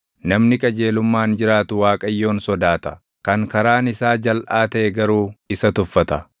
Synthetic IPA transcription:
nɐmnɪkʼɐd͡ʒe̞ːlʊmːaːnd͡ʒɪɾaːt̪ʊwaːkʼɐjːo̞ːnsɔd̪aːt̪ɐ̥ | kɐŋkɐɾaːnɪsaːd͡ʒɐlʔaːt̪ɐʔɛɡɐɾuːɪsɐt̪ʊfːɐt̪ɐ

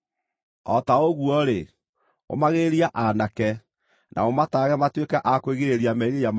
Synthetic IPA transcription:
ɔtaoɣwɔɾe | o̰maɣeɾiaʔanakɛ | nʔa̰omataːɣɛmatwekɛʔakweɣeɾeɾiamɛiɾejam

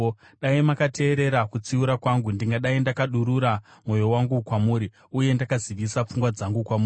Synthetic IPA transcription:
ɗaimakate̞ːɾe̞ɾakut͡siuɾakwaŋɡundiŋɡaɗaindakaɗuɾuɾamo̞jo̞waŋɡukwamuːɾi | uje̞ndakaziʋisap͡fuŋɡwad͡zaŋɡukwamuː

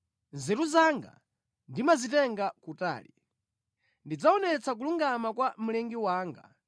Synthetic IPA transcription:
nzɛɾuzaŋɡa̰ | ndimazitɛŋɡakuta̰ːli | ndid͡zaɔnɛt͡sak̬uluŋɡamakwam̩lɛŋɡiwaːŋɡa̰

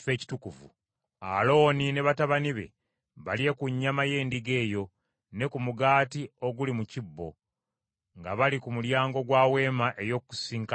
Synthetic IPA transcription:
fe̞ːci̥tukuvṵ | a̰lo̞ːnine̞βataβaniβe̞̰ | βaljekuɲːamaje̞ːndiɡe̞ːjo̞ | ne̞kumuɡaːtio̞ɡulimucibːo̞̰ | ŋɡaβalikumuljaːŋɡo̞ɡwaːwe̞ːmaʔe̞jo̞kːu̥siːŋka

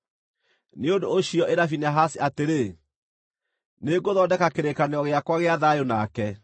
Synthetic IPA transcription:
neondoːɕiɔʔeɾafinaɦasiateɾe | neɡoðɔdɛkakeɾekaneɔɣeakwaɣeaðajonakɛ

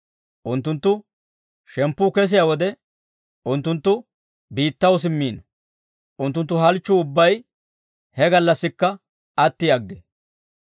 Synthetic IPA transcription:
ʔʊnt̪ːʊnt̪ːʊ | ʃɛmpːʊkɛs̬ɪjawɔd̪ɛ | ʊnt̪ːʊnt̪ːʊ | biːt̪ːɐws̬ɪmːiːnɐ | ʔʊnt̪ːʊnt̪ːʊɦɐlt͡ʃːʊʊbːɐj | hɛɡɐlːɐsːɪkːɐ | ɐt̪ːɪɐɡːɛ

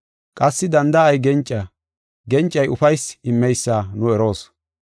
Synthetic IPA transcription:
kʼɐsːɪd̪ɐnd̪ɐɐjɡɛnt͡ʃʼːɐ | ɡɛnt͡ʃʼːɐjʔʊfɐjsɪmːɛjsːaːnʊɛɾo̞ːs

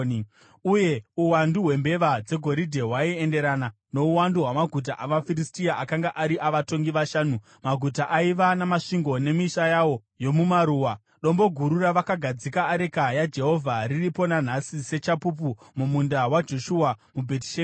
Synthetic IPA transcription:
uje̞uwanduɦwe̞mbe̞ʋad͡ze̞ɡʱo̞ɾidʱe̞ɦwaie̞nde̞ɾana | no̞uwanduɦwamaɡʱut̬aʔaʋafiristiaʔakaŋɡaʔaɾiʔaʋato̞ŋɡiʋaʃaːnu | maɡʱutaʔaiʋanamaʂiŋɡo̞ne̞miʃajawo̞ | jo̞mumaɾuːwa | ɗo̞mbo̞ɡʱuɾuraʋakaɡʱad͡zikaːɾe̞kajad͡ʒe̞ɦo̞vʱariripo̞nan̤asise̞t͡ʃapup̬u | mumundawad͡ʒo̞ʃuamubʱet̬i̥ʃe

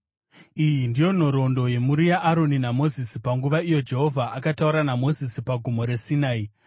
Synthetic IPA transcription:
ijindijo̞n̤o̞ɾo̞ndo̞je̞muɾijaʔːɾo̞ninamo̞zisi̥paŋɡuʋaijo̞d͡ʒe̞ɦo̞vʱaʔakatauɾanamo̞zisipaɡʱumo̞ɾe̞sinaːi

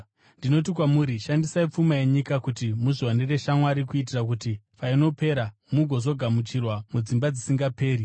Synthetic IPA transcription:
ndino̞t̬ik̬wamuɾiʃandisaip͡fumaje̞ɲikakutimuʐiwanere̞ʃamwaɾikuit̬irak̬utipaino̞pe̞ɾa | muɡʱo̞zo̞ɡʱamut͡ʃirwamud͡zimbad͡zisiŋɡape̞ːɾi

